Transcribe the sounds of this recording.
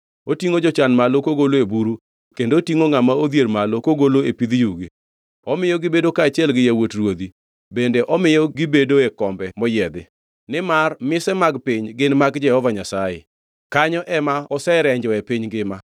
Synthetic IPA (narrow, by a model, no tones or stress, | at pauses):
otiŋod͡ʒɔt͡ʃanmalokoɡoloebuɾu | kendoːtiŋoŋamaod̪jeɾmalokoɡoloepid̪juɡi | ɔmɪjɔɡɪbedokaːt͡ʃɪɛlɡɪjewotrwod̪i | bendeʔɔmɪjɔɡɪbedoekɔmbɛmɔjɛd̪ɪ̰ | nɪmarmɪsɛmaɡpiɲɡɪnmaɡd͡ʒɛhɔvaɲasajḛ | kaɲɔʔɛmaɔsɛɾɛɲd͡ʒɔɛpiɲɡɪma